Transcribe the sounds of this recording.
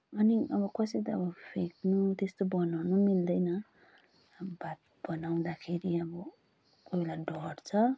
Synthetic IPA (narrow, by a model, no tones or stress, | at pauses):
ʌniʌbʌkʌset̪ʌʌbʌpʰeknut̪est̪obʌnawnumild̪ʌjnʌ | bat̪̚ | bʌnaw̃d̪akʰeɾiʌbʌ | kobelaɖʌɽt͡sʰʌ